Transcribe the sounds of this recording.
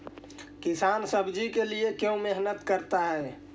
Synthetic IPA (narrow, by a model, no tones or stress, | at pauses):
kisansəbd͡ʒikeliekjõmeɦnət̪kəɾt̪aɦɛː